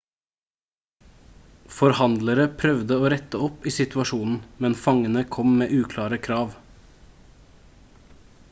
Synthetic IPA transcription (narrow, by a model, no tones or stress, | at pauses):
fɔɾhɑnd̪ləɾəpʰɾœʋd̪əoːɾɛt̪əɔpiːsɪt̪ʉɑʃuːnn̩mɛnfɑŋənəkʰɔmmeːʔʉːkʰlɑːɾəkʰɾɑːʋ